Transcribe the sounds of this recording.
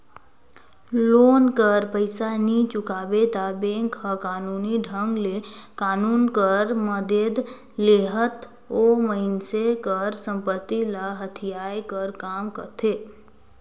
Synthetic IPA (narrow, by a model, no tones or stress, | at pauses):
lonkəɾpəɪsanit͡ʃʊkabet̪abẽŋkɦəkanuniɖʱəŋɡlekaːnunkəɾməd̪ed̪ | leɦət̪ | oməɪnsekəɾsə̃mpət̪ːilaɦət̪ʰijajkəɾkamkə̰ɾt̪ʰe